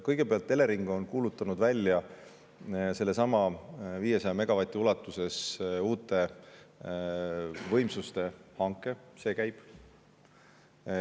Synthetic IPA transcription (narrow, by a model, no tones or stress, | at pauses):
kɤjɡ̥e̞peɑlt̪ːˑe̞le̞ɾiŋɡ̥o̞nkuːlut̪ːˑɑnud̪vælʲːjɑ | se̞lːe̞sɑmɑviːjesɑjɑme̞ɡ̥ɑvɑt̪ʲːˑiulɑt̪ːˑuse̞suːt̪ːˑe̞ | vɤ̞jmsust̪e̞hɑŋkˑːe̞se̞ːkæjb̥